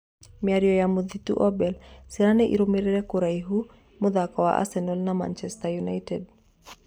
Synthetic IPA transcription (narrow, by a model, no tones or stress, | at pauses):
mjaɾjɔjamoðit̪ṵʔɔbɛlsɪɾanɛʔḭɾomeɾeɾɛkʊɾaiɦu | mʊðakɔwa̰ʔa̰sɛnolnama̰nt͡ʃɛstajunajted̚